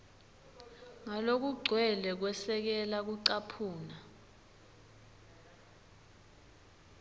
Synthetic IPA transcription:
ŋalok̬uɡ͡ǀʱwɛlɛk̬wɛsɛk̬ɛlak̬uǀapʰuːna

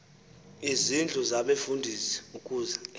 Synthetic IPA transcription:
izind͡ɮʱuzaɓefundʱisɛ̥ukʼuːzɛ

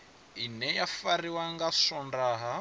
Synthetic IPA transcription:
inɛjafariwaŋɡasɔndaːɦa

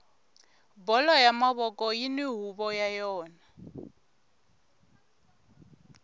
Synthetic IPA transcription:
bɔlɔjamaβɔkʼɔjiniɦuβɔjajɔːna

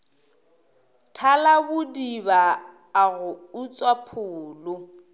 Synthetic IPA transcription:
tʰalabʊdibaː | ɣʊʊt͡sʼwapʰʊːlʊ

